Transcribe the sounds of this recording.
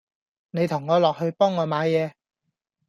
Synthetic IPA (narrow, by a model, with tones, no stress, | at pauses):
ne˨˧jt̪ʰʊ˨˩ŋːɔː˨˧lɔː˨k̚hɵ˧ɥpɔː˥ŋːɔː˨˧maː˨˧˥jɛː˨˧